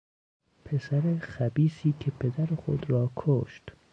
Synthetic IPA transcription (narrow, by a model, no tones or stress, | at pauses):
pʰe̞sæɾexæbiːsiːkʲʰe̞pʰe̞d̪æɾexo̰d̪ɾɒːkʰoʃt̪